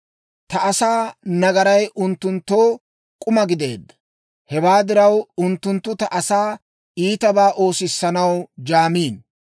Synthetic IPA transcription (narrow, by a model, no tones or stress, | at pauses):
t̪ɐʔɐsaːnɐɡɐɾɐjʔʊnt̪ːʊnt̪ːoː | kʼʊmɐɡɪd̪e̞̰ːd̪ːɐ̥ | hɛwaːd̪ɪɾɐwʊnt̪ːʊnt̪ːʊt̪ɐʔɐsaː | iːt̪ɐbaːʔo̞ːsɪsːɐnɐwd͡ʒaːmiːn